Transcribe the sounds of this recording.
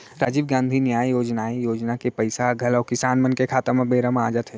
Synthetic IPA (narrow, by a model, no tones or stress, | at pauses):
ɾaːd͡ʒibɡãːnd̪ʱinjaːjjoːd͡ʒnaːijoːd͡ʒnakepɐɪsaɡʱɐlɔːkɪsaːnmɐnkekʰaːt̪əmẽbeːɾəmaːd͡ʒət̪ɦɛː